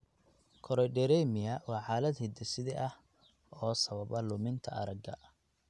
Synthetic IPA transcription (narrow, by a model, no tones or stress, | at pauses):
kʰɔɾɔjɖɛɾɛjmɪjɐwɑːʕɑːlɐd̪hɪd̪ɛsɪðɛʔɐh | ɔːsɐβɐβɐlʊmɪnt̪ʰɐʔɐɾɐɡɐ̰